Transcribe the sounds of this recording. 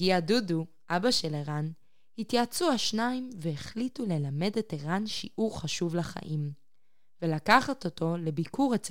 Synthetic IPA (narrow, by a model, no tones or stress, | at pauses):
ɡiadudu | ʔabaʃe̞leʁan | hitjaːt͡suaʃnaimveeχlitule̞lame̞deteʁanʃiʔuʁχaʃuvlaχa̰ʔim | velakaχatoto̞le̞bikʰuʁet͡s